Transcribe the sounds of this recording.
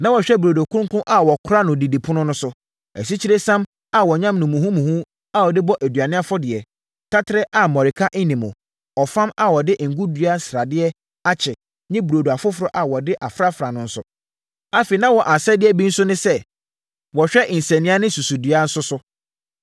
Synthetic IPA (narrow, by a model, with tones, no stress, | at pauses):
nã˦wɔ˨ɕᶣɛ˦bɾo˨do˨kʰʊ̃˦ŋ˦kʊ̃˦ʔa˨wɔ˨kʰʊ˦ɾa˦nʊ̃˨di˨di˨pʰʊ̃˦nʊ̃˦nʊ̃˦sʊ˨ | ɛ̰˨s̬i˦t͡ɕʰi˦ɾe˦sã˦m | a˨wɔ˨ɲã˦mnʊ̃˨mũ˨ɦũ˦mũ˨hũ˦ | a˦wɔ˨dɪ˦bɔ˦ʔæ˨dɥa˨nɪ̃˦a˦fʊ˦dɪ˨ɛ˨ | tʰa˦tʰɪ˦ɾɛ˦ʔa˨mɔ̃˨ɾɪ˨kʰa˦ʔɪ˦nĩ˨mʊ̰̃˨ | ɔ˨fã˦ma˨wɔ˨dɪ˦˨ŋ̩˨ɡu˦dɥa˦n̩˦sɾa˨dɪ˦ɛ˦ | a˦t͡ɕʰɛ˨ | ɲɪ̃˦bu˨ɾo˨du˨a˨fʊ˦fʊɾɔ˦ʔa˨wɔ˨dɪ˦ʔa˨fɾa˦fɾa˨nʊ̃˦n̩˦sʊ̰˨ | a˦fe˨i˨nã˦wɔ˨ʔa˨sɛ˦dɪ˦ɛ˦bĩ˦n̩˦sʊ˦nɪ̃˦sɛ˦ | wɔ˨ɕᶣɛ˦ʔɪ̃˨n̩˨sɛ̃˨nɪ̃˦a˦nɪ̃˦su˨su˨dɥa˦n̩˦sʊ˦sʊ˦